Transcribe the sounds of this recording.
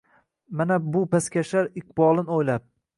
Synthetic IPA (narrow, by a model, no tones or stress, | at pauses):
manabʊpʰaskʲʰaʃaɾɪq̚bɒlˠɪnojlap̚